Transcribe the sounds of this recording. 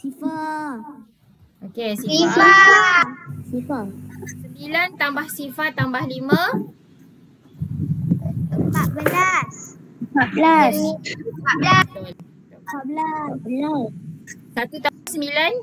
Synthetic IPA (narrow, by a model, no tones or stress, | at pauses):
sifa | ʔokesisifa | sifasəmbilant̪ambahsifaʔt̪ːambahlimã | əmpat̪̚bəlasəmpaʔ̪̚bəlasəpabəla | ablabəlassat̪ut̪asəmbilan